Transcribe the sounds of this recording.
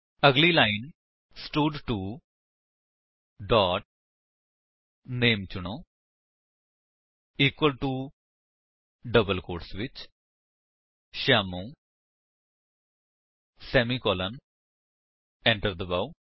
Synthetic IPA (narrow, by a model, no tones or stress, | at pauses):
əɡliːlaːɪn | sʈuɖʈuː | ɖɔːʈ̚ | neːmt͡ʃʊɳ̃õː | iːkwəlʈu | ɖəbəlkoːɾʈsʋɪt͡ʃ | ʃaːmũː | sɛːmiːkɔːlən | ɛ̃ɳʈəɾd̪əbau